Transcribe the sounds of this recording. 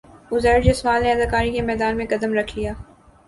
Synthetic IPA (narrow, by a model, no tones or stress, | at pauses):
ʊzɛːɾd͡ʒesʋaːlneɐd̪aːkaːɾikemɛːd̪aːnmẽkɐd̪əmɾɐkʰlijaː